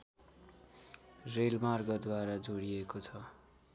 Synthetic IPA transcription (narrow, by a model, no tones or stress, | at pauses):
relmarɡʌd̪waɾad͡zoɽiekot͡sʰʌ